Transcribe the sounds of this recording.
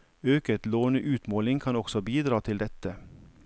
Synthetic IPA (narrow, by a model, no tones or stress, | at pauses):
øːkət̪loːnəʔʉːt̪moːlɪŋkʰɑnɔksɔbiːd̪ɾɑːt̪ʰɪld̪ɛt̪ə